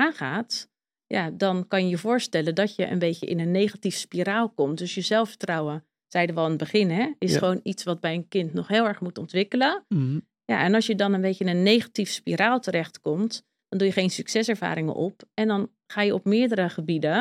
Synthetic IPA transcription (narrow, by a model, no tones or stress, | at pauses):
aːχaːt | ja̰dɑnkɑnjəjəvʊːɹstɛləndɔtjəʔə̰nbejcə̰ʔɪ̰nənːejχatifspiɾaːlˠkɔmtdɵsjəzɛlˠfə̥trɑwə | z̥ɛjdəʋɑlˠɪnəbəχɪnɦɛɪsχəʋownitsʋɑd̚bɛjənkɪntnɔχɦɪːlˠɛɹχmutɔntʋɪkələ | ja̰ʔɛnɑlˠsjədɑnənbejtəɪnənːejχatifspiɾaːlˠtəɾɛχtkɔmt | d̥ɔndujəχejnsyksɛsɛɹva̰ːɾɪŋə̰nʔɔpɛndɑn | χaːjəɔpmɪːəɹdəɾəχəbidə